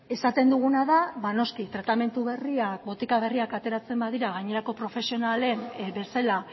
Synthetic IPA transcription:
e̞sat̪e̞nd̪uɣ̞unaðaβano̞skit̪ɾat̪ame̞nt̪uβe̞riak̚bo̞t̪ikaβ̞e̞riakat̪e̞ɾat͡se̞mbaðiɾaɣ̞aɲe̞ɾako̞pɾo̞fe̞sio̞nale̞nbe̞sela

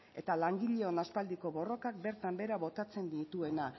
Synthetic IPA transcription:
e̞t̪alaŋɡiʎe̞onaspald̪iko̞βo̞ro̞kak̚be̞ɾt̪ambe̞ɾaβo̞t̪at͡se̞nd̪it̪ue̞na

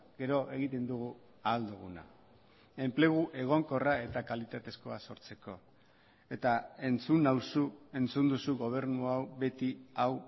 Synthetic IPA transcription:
ɡe̞ɾo̞ʔe̞ɣ̞it̪e̞nd̪uɣ̞u | aːld̪uɣ̞una̰ | e̞mple̞ɣ̞uʔe̞ɣ̞o̞ŋko̞rae̞t̪akalit̪at̪e̞sko̞aso̞ɾt͡se̞ko̞ | e̞t̪ae̞nt͡sunawsue̞nt͡sund̪usuɣo̞β̞e̞ɾnuawβe̞t̪iaw

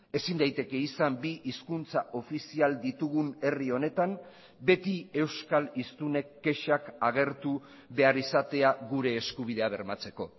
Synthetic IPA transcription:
e̞sind̪ajt̪e̞ke̞isambiʔiskunt͡saʔo̞fisiald̪it̪uɣ̞une̞rio̞ne̞t̪am | be̞t̪ie̞wskalist̪une̞kːe̞ʃakaɣ̞e̞ɾt̪u | βe̞aɾisat̪e̞aɣuɾe̞ːskuβ̞ið̞e̞aβ̞e̞ɾmat͡se̞ko̞

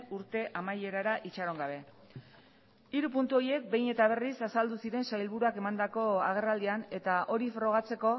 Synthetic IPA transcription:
uɾt̪e̞ʔamaje̞ɾaɾaʔit͡ʃaɾo̞ŋɡaβ̞e̞ | iɾupunt̪uo̞ie̞k̚be̞jne̞t̪aβ̞e̞risasald̪usiɾe̞nsajlβuɾuake̞mand̪ako̞a̰ɣ̞e̞rald̪iane̞t̪aʔo̞ɾifɾo̞ɣ̞at͡se̞ko̞

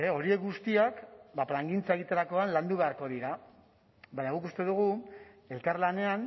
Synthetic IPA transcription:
eo̞ɾie̞k̚ɡust̪iakbaplaŋɡint͡sae̞ɣit̪eɾako̞anland̪uβe̞aɾko̞ðiɾa | baɲaɣ̞ukust̪e̞ðuɣ̞u | e̞lkarlane̞an

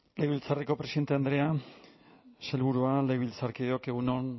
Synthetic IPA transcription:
lejβilt͡sareko̞pɾesiðe̞nt̪e̞and̪ɾe̞a | selβuɾualejβilt͡saɾkiðeo̞ke̞ɣuno̞n

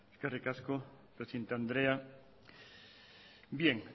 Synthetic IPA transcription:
skarikasko | pɾesent̪and̪ɾea | bjeŋ

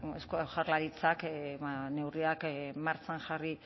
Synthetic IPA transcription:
eskoʝaɾlaɾit͡sakane̞wriakmaɾt͡sanxari

